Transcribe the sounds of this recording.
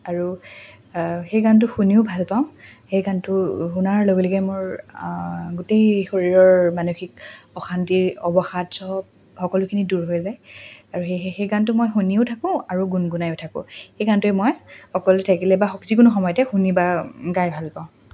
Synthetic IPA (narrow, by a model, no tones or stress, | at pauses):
aɹu | xejɡant̬ʊxuniʊbʱalpaʊ̃xejɡantʊxunaɹloɡelɛkɛmoɹ | ɡutejxoɹiɹɔɹmanuxikɔxantiɔbɔxatsɔɔp̚ | xɔkɔlʊkʰiniduɹɦojzajaɹuxeexejɡantʊmɔjxuniʊtʰakʊ̃aɹuɡunɡunajʊtʰakʊ̰̃xejɡantʊɛmɔjxɔkɔlɛtʰakilɛbaxɔkzikʊnʊxɔmɔjɔtɛxunibaɡajbʱalpaʊ̃